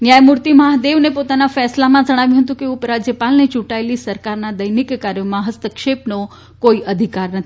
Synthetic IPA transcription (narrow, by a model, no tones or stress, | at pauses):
njãemuɾt̪imaɦd̪eʋnepot̪anafɛslamãd͡ʒəɽ̃aʋjũɦət̪̬ũkeupɾad͡ʒjəpalnet͡ʃũʈaelisəɾkaɾnad̪əjnikkaɾjomãɦəst̪əkʃepno | koiʔəd̪ʱikaɾnət̪ʰi